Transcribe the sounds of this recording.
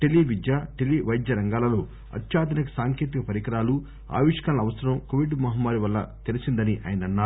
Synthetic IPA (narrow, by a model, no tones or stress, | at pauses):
ʈelːiʋid̪jaːʈeliʋɐjd̪jɐɾɐŋɡaːlɐloː | ɐ̰t̪ʃaːd̪ɐnikɐsaːŋkeːt̪ikɐpɐɾikɾaːlu | a̰ːʋiʂkanlɐːʋɐsɐɾɐmkoʋiɖmɐɦɐmːaːɾiʋɐlːɐ̰t̪elisind̪ɐniʔa̰ːjɐnɐnːaːu